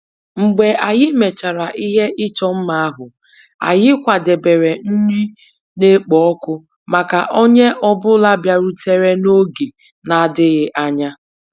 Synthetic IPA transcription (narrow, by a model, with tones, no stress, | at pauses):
ŋ͡m̩˨ɡ͡be˨ʔa˨ɣɪ˦me˨t͡ʃa˨ɾa˨ʔi˦ɦe˦ʔɪ˦t͡ʃɔ˦m̩˦ma˨a˦ɦʊ˨ | a̰˨ɣɪ˦kʷa˨de˨be˨ɾe˨n̩˦ni˦ | ne˦k͡pɔ˨ɔ˦kʊ˦ | ma˨ka̰˨ʔo˦ɲe˦ʔɔ˦bʊ˦la˦bja˦ɾu˦te˦ɾe˦no˦ɡe˨ | na˨a˨dɪ˦ɣɪ˦ʔa˦ɲa˦